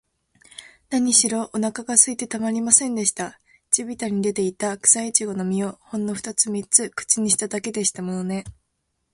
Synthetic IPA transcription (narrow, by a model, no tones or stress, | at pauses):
naɲ̟iɕiɾo̞ʔonakaɡasɨit̪e̞t̪amaɾʲimasẽ̞nd̪e̞ɕi̥t̪a | d͡ʑibʲit̪aɲ̟id̪e̞t̪e̞it̪akɯ̟̥sait͡ɕiɡo̞no̞mʲio̞hõ̞nːo̞ɸɯ̟̥t̪at͡sɨmʲit͡sɨkɯ̟̥t͡ɕiɲ̟iɕi̥t̪ad̪ake̞d̪e̞ɕi̥t̪amo̞no̞ne̞